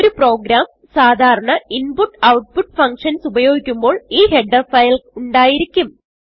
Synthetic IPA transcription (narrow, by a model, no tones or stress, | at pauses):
oɾupro̞ːɡɾaːm | saːd̪ʱaːɾɐɳɐinpuʈːɐwʈ̚puʈːfɐŋkʂɐnsubɐjo̞ːɡikʲːumbo̞ːɭiːhe̞ɖɐfɐjluɳɖaːjiɾikʲːum